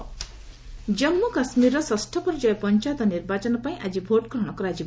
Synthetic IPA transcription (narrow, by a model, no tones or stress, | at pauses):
d͡ʒʌmːukasmiɾːɔsɔsʈʰɔpɔɾd͡ʒɔjɔpɔnt͡ʃat̪ɔniɾbat͡ʃɔnɔpaĩʔad͡ʒibʱoʈɡɾɔɽ̃ɔkɔɾad͡ʒi